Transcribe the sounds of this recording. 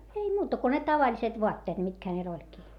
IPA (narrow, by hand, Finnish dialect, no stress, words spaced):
ei muːtɑ ko ne tɑʋɑlʲiset ʋoɑtːeːt mitkæ hænel olʲki